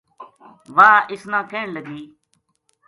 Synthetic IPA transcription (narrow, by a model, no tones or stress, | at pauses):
ʋaːʔɪsnãːkʰẽːɳləɡiː